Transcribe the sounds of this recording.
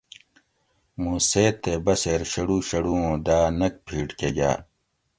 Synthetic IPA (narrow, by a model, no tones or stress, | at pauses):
mũːseːt̪ːeːbɐseːɾɕɐɽuːɕɐɽuːõːd̪aːnɐk̚pʰiːʈkeɡa̰ː